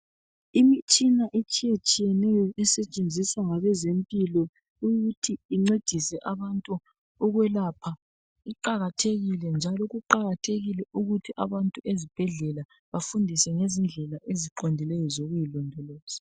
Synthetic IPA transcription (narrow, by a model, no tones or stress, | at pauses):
imit͡ʃʼinaʔet͡ʃʼijet͡ʃʼijɛnɛjɔʔɛsɛt͡ʃʼend͡zʱiswaŋaβɛzempʼilɔ | uɣutʰiːŋ͡ǀed̥ʱisɛʔaβantʼu | ɔɣwɛlaːpʰa | iǃaɣatʰeɣilɛnd͡ʒʱalɔɣuǃaɣatʰeɣilɛʔuɣutʰiʔa̰βantʼuezib̥ʱɛɮɛla | βafundʱisɛŋezind͡ɮʱɛlaʔeziǃondʱilɛjɔzoɣujilɔndʱɔlɔːz̥a